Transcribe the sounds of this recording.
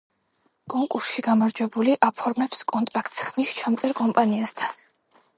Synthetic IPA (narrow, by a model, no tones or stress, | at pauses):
kʼɔŋkʼuɾsʃiɡamaɾd͡ʒwɛbuliʔapʰɔɾmɛpskʼɔnt̪ʼɾak̚ʰt̪ʼsχmist͡ʃʰamt̪sʼɛɾkʼɔmpʼaniast̪ʰan